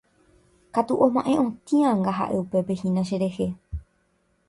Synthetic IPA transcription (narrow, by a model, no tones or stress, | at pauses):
kat̪uʔõmãʔẽ̞ʔõt̪ĩãŋɡaɦa̰ʔe̞upe̞pe̞hĩnãʃeɾe̞he̞